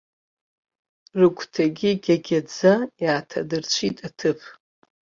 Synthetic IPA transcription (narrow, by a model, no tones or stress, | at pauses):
rɨkʷtʰaɡʲiɡʲaɡʲad͡zajaːtʰa̰dɨrt͡ɕʷʰitʼatʰɨpʰ